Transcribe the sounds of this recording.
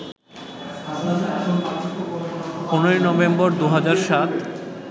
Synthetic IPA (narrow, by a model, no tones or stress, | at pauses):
onoɾinɔbembɔɾd̪uɦad͡ʑaɾʃat̪